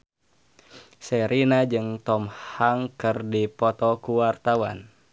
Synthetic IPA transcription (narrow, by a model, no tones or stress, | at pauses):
sɛɾʔinad͡ʒɨŋt̪ɔmhaŋkɨrdipɔt̪ɔkuwart̪awa̰n